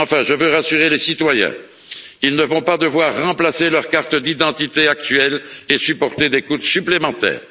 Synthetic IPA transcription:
ɑ̃fɛ̃ʒəvøʁasyʁelesit̪wajɛ̰̃ | ilnəvɔ̃pad̪əvwaʁːɑ̃plaselœʁkaʁt̪d̪id̪ɑ̃t̪it̪eak̚t̪ɥɛlesypɔʁt̪ed̪ekut̪syplemɑ̃t̪ɛ̰ːʁ

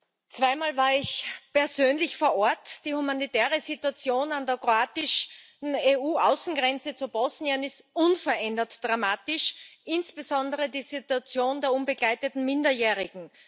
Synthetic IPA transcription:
t͡sv̥aɪmaːlvaːɐɪçpɛɐzøːnlɪçfoːɐʔɔɐtd̥iːhumanitɛːʁəzituat͡sjoːnandeɐkʁoaːtɪʃ | n̩euːʔaʊsn̩ɡʁɛnt͡sət͡subɔsniənɪstʔʊnfɐɐʔɛndɐtd̥ʁamaːtɪʃʔɪnsb̥əzɔndəʁədiːzituat͡sjoːndeːɐʊnbəɡlaɪtətn̩mɪndɐjɛːʁɪɡŋ̩

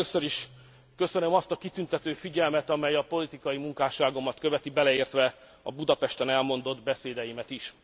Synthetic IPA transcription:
øsøɾiʃ | kø̞sønømɒst̪ɒkit̪ynt̪ɛt̪øːfiɟɛlmɛt̪ɒmɛjɒpo̞lit̪ikɒjimuŋkaːʃaːɡo̞mɒt̪køvɛt̪ibɛlɛeːrt̪ʋɛ | ɒ̰bud̪ɒpɛʃt̪ɛnɛlmo̞nd̪o̞d̪bɛseːd̪ɛjimɛt̪iʃ

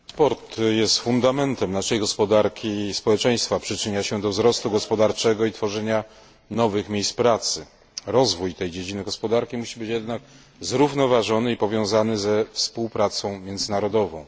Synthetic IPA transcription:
pɔɾt̪jɛst̪fund̪amɛnt̪ɛmnaʂɛjɡɔspɔd̪aɾkʲispɔwɛt͡ʂɛ̃j̃st̪fapʂɘt͡ʂɘɲaɕɛd̪ɔvzɾɔst̪uɡɔspɔd̪aɾt͡ʂɛɡɔit̪fɔʐɛɲa | nɔvɘxmʲejspɾat̪sɘ | ɾɔzvujt̪ɛjd͡ʑed͡ʑinɘɡɔspɔd̪aɾkʲimuɕibɘt͡ɕjɛd̪nak̚ | zɾuvnɔvaʐɔnɘipɔvʲjɔ̃w̃zanɘzɛfspuwpɾat̪sɔ̃w̃mʲjɛnzɘnaɾɔd̪ɔvɔ̰̃w̃

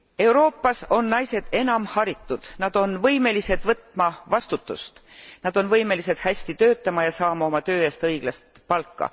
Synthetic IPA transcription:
e̞wɾo̞ːpːˑɑso̞nnɑjse̞d̪̥e̞nɑmhɑɾit̪ːud̪̥nɑd̪̥o̞nvɤjme̞lise̞d̪̥vɤt̪ˑmɑvɑst̪ut̪ˑːṵst̪nɑd̪̥o̞nvɤjme̞lise̞d̪̥hæsʲt̪it̪ø̞ːt̪ːˑɑmɑjɑsɑːmɑo̞mɑt̪ø̞ːeːst̪ɤjɡ̥lɑst̪pɑlkːɑ̰

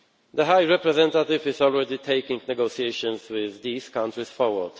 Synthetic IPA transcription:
d̪əɦaɪɹɛpɾɛzɛ̃ntət̪ɪvɪzɔlˠɹɛd̪it̪ʰeɪkɪ̃ŋɡnɛɡoʊsieɪʃə̃nzwɪðːiːz̥kãntɹisfɔɹwəd̥

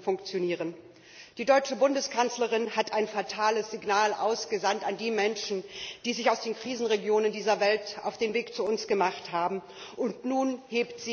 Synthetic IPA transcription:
fʊŋkt͡sjoniːʁən | d̥iːdɔʏt͡ʃəbʊndəskʰansləʁ̞ɪnhatʰʔaɪnfatʰaːləsz̥iɡnaːlʔaʊsɡ̥əzantandiːmɛnʃn̩d̥iːzɪçaʊsd̥eːnkʁ̥iːzn̩ʁeɡjoːnəndiːzɐvɛltʔa̰ʊfd̥eːnveːkt͡suʊnsɡ̥əmaχthaːbm̩ | ʔʊntnuːnheːptz̥iː

